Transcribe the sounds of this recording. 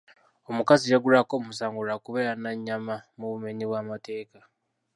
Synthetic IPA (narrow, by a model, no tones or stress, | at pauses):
o̞mukazijaɡuɾako̞ːmusaːŋɡuɾakuβe̞ːɾanaɲːamamuβume̞ɲiβwamate̞ːka